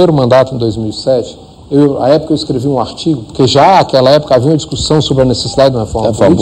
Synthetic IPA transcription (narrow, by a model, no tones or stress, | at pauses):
eɾʊmɐ̃nd̪at̪ʊẽd̪ojzmiwisɛt͡ʃɪ̥ | ewa̰ɛpʊ̥kɐewiskɾeviũaɾt͡ʃiɡʊpoɾkeʒaakɛlɐɛpʊ̥kɐaviũmɐd͡ʒiskusɐ̃w̃sobɾɐnesesid̪ad͡ʒɪd̪ũmɐhefɔɾmɐfɔm